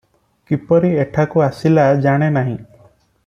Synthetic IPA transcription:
kipɔɾieʈʰakuasilad͡ʒaɽ̃enaɦĩ

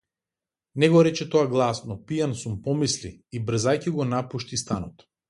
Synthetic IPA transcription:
nɛɡɔɾɛt͡ʃɛt̪ɔaɡlˠasnɔpijansumpɔmisliːbr̩zajciɡɔnapuʃt̪ist̪anɔt̪

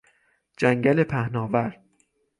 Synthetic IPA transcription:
d͡ʒæŋɟæle̞pʰæhnɒːvæɾd̪̥

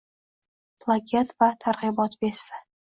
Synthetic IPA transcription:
pʰlˠakʲʰet̪vat̪ʰaɾʁɨbɒt̪besɪ

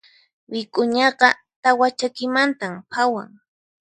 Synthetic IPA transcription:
wɪkʼʊɲɑqɑ | t̪awat͡ʃakɪmant̪ampʰawa̰ŋ

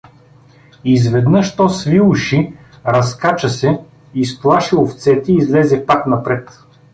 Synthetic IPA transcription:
izvɛd̪nɤʃt̪ɔsvilˠuʃi | ɾɐskat͡ʃəsɛ | isplˠaʃɛoft̪sɛt̪ɛiːzlɛzɛpaknɐpɾɛt̪

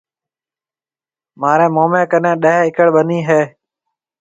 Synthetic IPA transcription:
maːɾẽːmoːmẽːkənẽːɗəɦeːɪkəɽɓəniːɦeː

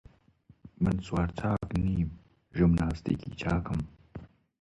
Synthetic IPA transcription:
mɨnswaːɾt͡ʃʰaːkniːm | ʒʊmnaːst̪ḭːkʰḭːt͡ʃʰaːkɨm

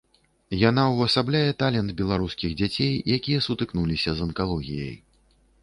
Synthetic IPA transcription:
jan̪awɐsablʲajɛt̪alʲɛnd̪bʲɛlˠaɾuskʲiɣd͡zʲat͡sʲejjakʲijɐsut̪ɨknulʲisʲɐzɐnkalˠɔɣʲijɐ̰j

